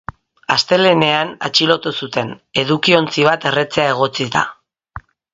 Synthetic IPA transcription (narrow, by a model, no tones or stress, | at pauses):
ast̪e̞le̞ne̞ana̰t͡ʃilo̞t̪usut̪e̞ne̞ðukio̞nt͡siβ̞at̪e̞re̞t͡se̞ae̞ɣ̞o̞t͡sit̪a̰